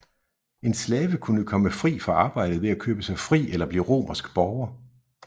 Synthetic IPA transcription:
e̝nslɛːʋəkʰunəkʰɒ̽məfʁḭːfɒ̽ɑ̈ːb̥ɑ̈ɪ̰d̥ð̩ˠʋe̝ækʰøːb̥əsɑ̈ɪfʁḭːʔelɐb̥liːʁo̝̰ːmʔɐsɡ̥b̥ɒʊɐ

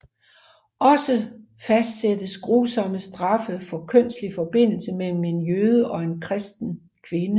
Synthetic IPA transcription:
ʔɒ̽sə | fæsd̥sed̥əsɡ̥ʁuːsɒ̽məsd̥ʁɑ̈fəfɒ̽kʰœn̰sd̥lifɒ̽b̥e̝n̰l̩səmel̰m̩e̝njøːð̞ˠəʔɒ̽e̝nkʰʁɛsd̥n̩ | kʰʋe̝nə

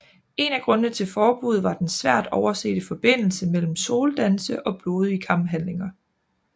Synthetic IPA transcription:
e̝næɡ̥ʁɔ̽nənət͡sʰe̝lfɒːb̥uð̞̩ˠʋɑ̈d̥ensʋæɐ̰d̥ɒʊɐse̝̰ːd̥əfɒ̽b̥e̝n̰l̩səmel̰m̩so̝ːld̥ænsəʔɒ̽b̥lo̝ːð̞ˠikʰɑ̈mb̥ɦænle̝ŋɐ

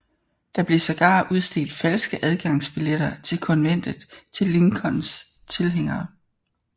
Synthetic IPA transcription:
d̥ɑ̈b̥le̝sɒɡ̥ɑ̰̈ːʔuð̞ˠsd̥e̝̰ːld̥fælsɡ̥əʔæð̞ˠɡ̥ɑ̈ŋ̰sb̥ileɾ̥ɐt͡sʰe̝lkʰɒ̽nʋen̰d̥ð̩ˠt͡sʰe̝lːe̝ŋkʰɒ̽ns | t͡sʰe̝lɦeŋ̰ɐː

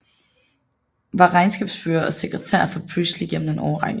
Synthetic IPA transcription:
ʋɑ̈ʁɑ̈ɪnsɡ̥ɛːb̥sføːɐʔɒse̝ɡ̥ʁɛt͡sʰæ̰ɐ̰fɒ̽pʰlusəliɡ̥en̰m̩n̩̥enɒʊɐʁɑ̈ŋ̥̰

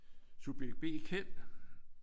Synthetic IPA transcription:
sub̥eɡ̥̚b̥e̝̰ːkʰen̰

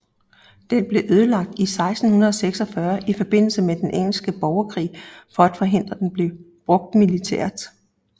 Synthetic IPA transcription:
d̥enb̥le̝ʔøð̞ˠəlɑ̈ɡ̥̚d̥isɑ̈ɪsd̥n̩hunɐðˠɒ̽seɡ̥sɒ̽fɶɐifɒ̽b̥e̝n̰l̩səmed̥enʔeŋ̰l̩sɡ̥əb̥ɒʊɐkʰʁḭːfɒ̽æd̥fɒ̽ɦe̝n̰d̥ʁɐd̥enb̥le̝ʊ | b̥ʁɔ̽ɡ̥̚d̥milit͡sʰḛɐ̰d̥

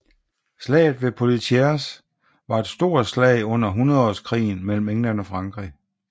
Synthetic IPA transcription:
slɛ̰ːɪðˠʋe̝pʰo̝lit͡sʰeɐs | ʋɑ̈e̝d̥sd̥o̝ɐ̰dslɛ̰ɪɔ̽n̰ɐɦunɐðˠɒskʰʁḭːn̩mel̰m̩eŋlænɒ̽fʁɑ̈ŋɡ̥ʁi

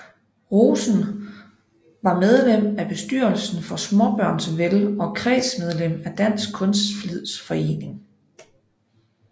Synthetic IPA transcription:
ʁoːsn̩ | ʋɑ̈með̞ˠlem̰æb̥e̝sd̥yɐ̰lsn̩fɒ̽smɒb̥ɶɐ̰nsʋelɒ̽kʰʁɛ̰ːsmeð̞ˠlem̰æd̥æn̰sɡ̥̚kʰɔ̽nsd̥flið̰ˠsfɒ̽e̝̰ːne̝ŋ

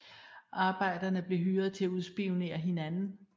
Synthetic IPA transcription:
ʔɑ̈ːb̥ɑ̈ɪ̰d̥ɐnəb̥liɦyːɐðt͡sʰe̝æuð̞ˠsb̥ione̝̰ːɐɦe̝nænn̩

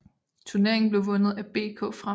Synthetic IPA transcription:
t͡sʰuɐne̝ɐe̝ŋn̩b̥le̝ʊʋɔ̽nð̩ˠæb̥e̝̰ːkʰɔ̰̽ːfʁa

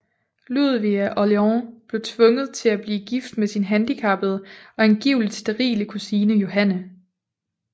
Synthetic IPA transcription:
luð̰ˠʋiæʔɒleɒb̥le̝ʊt͡sʰʋɔ̽ŋəð̞̩ˠt͡sʰe̝læb̥liːɡ̥ifd̥mesinɦænd̥ikʰɑ̈b̥ð̩ˠɒ̽e̝nɡ̥iʊ̰lid̥sd̥eʁḭːləkʰusiːnəjo̝ɦænə

